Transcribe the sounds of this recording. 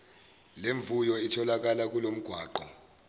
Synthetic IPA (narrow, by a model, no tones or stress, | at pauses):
leɱb̪vujɔitʰɔlak̬alak̬ulom̩ɡ̥ʱwaːǃɔ